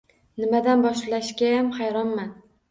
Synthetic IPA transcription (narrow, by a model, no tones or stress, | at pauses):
nɪmad̪anbɒʃlaʃɡʲajamχajɾɒnman